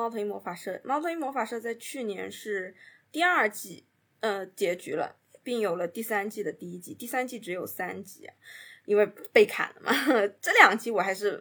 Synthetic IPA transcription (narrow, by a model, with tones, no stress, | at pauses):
mɑ˥ʊt̪ʰə˧˥ŋmwɔ˧˥fa˨˩ʂɤ˥˩mɑ˥ʊt̪ʰwe˧˥ŋmwɔ˧˥fa˨˩ʂɤ˥˧t͡sa˥˧ɪt͡ɕʰy˥˩njɛ̰˧˥nʂɻ̩˥˧t̪i˥˧ɐ˞˥˩t͡ɕi˥˩ | ə˧t͡ɕjɛ˧˥t͡ɕy̰˧˥lə̰˧ | pi˥˩ŋjo˨˩ʊlə˦t̪i˥˩sa˥nt͡ɕi˥˩d̪ə˩t̪i˥˧i˥t͡ɕi˥˧t̪i˥˩˧sa˥nt͡ɕi˥˩ʈ͡ʂɻ̩˧˥jo˨˩ʊsa˥nt͡ɕi˥˩ɐ̰˩i˥nwe˥˧ɪpe˥˩ɪkʰa̰˨˩nlə̰˦mʔɐ̰˨˩ʈ͡ʂɤ˥˩ljɑ˨˩ŋt͡ɕi˥wɔ˨˩a˧˥ɪʂɻ̩˥˩